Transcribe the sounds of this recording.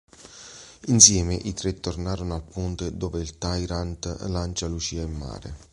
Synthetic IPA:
insjɛːmɪʔit̪ɾet̪ːornaːɾonoalpunt̪ed̪oɔːveilt̪ajɾant̪lant͡ʃalut͡ʃiːaimːa̰ːɾḛ

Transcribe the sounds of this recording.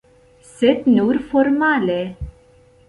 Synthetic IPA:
set̪nuːɾfɔɾmaːle

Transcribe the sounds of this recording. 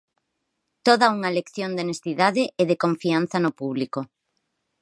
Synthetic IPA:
t̪oðɐuŋalekθjond̪enest̪iðaðɪʔeðekoɱfianθɐnʊpuβliko

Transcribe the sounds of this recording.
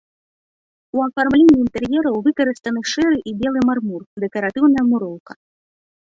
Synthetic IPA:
uɐfarmlʲenʲːiːnt̪ɛrjɛɾɐwvɨkɐɾɨst̪ɐnɨʂɛɾɨʔibʲɛlˠɨmarmurd̪ɛkɐɾat̪ɨwnɐjɐmuɾɔwkɐ

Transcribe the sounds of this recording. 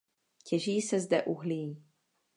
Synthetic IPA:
cʰɛʒiːsɛzdɛʔuɦli

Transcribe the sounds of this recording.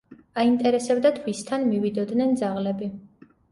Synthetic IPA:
aint̪ʼɛɾɛsɛbd̪at̪ʰwist̪ʰanmivid̪ɔd̪nɛnd̪zaʁlɛbi

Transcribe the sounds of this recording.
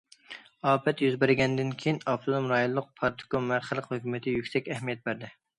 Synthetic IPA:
ɑːpɛt̪jyzbɪɾɪɡʲɛnd̪ɪnkʲʰejinɑpt̪ʰolomɾɑjolˠːʊq̚pʰɑɾt̪ʰɪ̥konmæɾχəlˠəqhøkʲymɪt̪ʰɪjykʲsɛkʲɛhmijɛt̪̚bæɾd̪ɪ

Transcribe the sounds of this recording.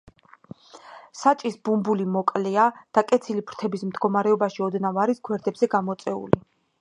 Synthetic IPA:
sat͡ʃʼisbumbulimɔkʼlɛad̪̥akʼɛt̪sʰilipʰɾt̪ʰɛbismd̪ɡɔmaɾɛɔbaʃiɔd̪navaɾisɡʰwɛɾd̪ɛbzɛɡamɔt̪sʼɛṵli

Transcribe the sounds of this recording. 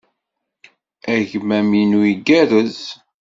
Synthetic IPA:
æʝmæminuiɡæɾəz

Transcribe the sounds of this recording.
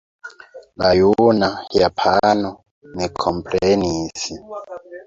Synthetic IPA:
lajunajapʰanɔ | nɛkʰɔmpʼleniːsi

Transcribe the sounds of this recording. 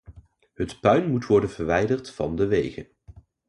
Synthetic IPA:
ɦətpœɥnmutʋɔɹdənv̥əɹʋɛjdərtfɑ̰ndəʋejχən

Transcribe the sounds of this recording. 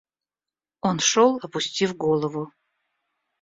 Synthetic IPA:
onʂolˠɐpʊsʲtʲivɡolˠəvʊ

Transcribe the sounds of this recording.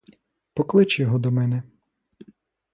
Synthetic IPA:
pɔklˠɪt͡ʃjɔɦɔd̪ɔmɛnɛ

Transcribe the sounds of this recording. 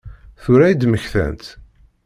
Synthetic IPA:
θʊɾæjid̪məçθæ̰nt̪

